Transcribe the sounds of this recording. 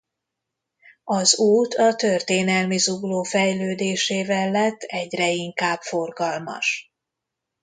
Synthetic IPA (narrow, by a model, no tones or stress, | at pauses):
ɒzuːt̪ɒt̪ørt̪eːnɛlmizuɡloːfɛjløːd̪eːʃeːvɛlːɛt̪ːɛɟrɛiŋkaːbfo̞rɡɒlmɒ̰ʃ